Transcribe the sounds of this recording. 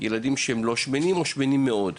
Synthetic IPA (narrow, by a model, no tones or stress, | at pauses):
jeladimʃeemlo̞ʃmenimoʃmenimːeo̞d